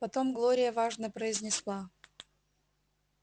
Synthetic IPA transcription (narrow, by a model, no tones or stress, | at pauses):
pɐt̪o̞mɡlˠoɾʲɪjəvaʐnəpɾəɪzʲnʲɪslˠa